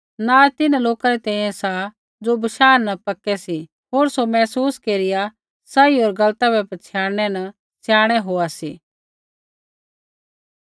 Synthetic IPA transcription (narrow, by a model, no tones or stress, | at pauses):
naːt̪ɪnaloːkaɾɛt̪ɛ̃ːĩjɛ̃sa | d͡zobɐʃaːɾnɐpɐkːɛsi | ɦoːɾsomɛːsuːskeːɾɪja | sɐiɦoːɾɡɐlt̪abɛpɐt͡ʃʰjaːɾñɛnɐ | sjaːɽ̃ɛɦoːasiː